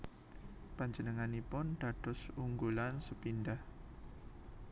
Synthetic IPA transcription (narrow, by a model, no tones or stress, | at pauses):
paɲd͡ʒənəŋanipʊnɖ̪̥a̤d̥ɔ̤suŋɡulansəpindah